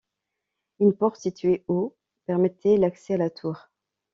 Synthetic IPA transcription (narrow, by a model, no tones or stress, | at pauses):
ynpɔʁt̪sit̪ɥeo | pɛʁmɛt̪ʰɛlaksɛalat̪ʰuːʁ